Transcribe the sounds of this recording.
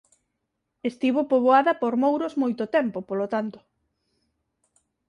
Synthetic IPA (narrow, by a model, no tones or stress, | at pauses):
est̪iβopoβoaðɐpoɾmowɾozmojt̪ʊt̪ɛmpopolot̪ant̪ʊ̥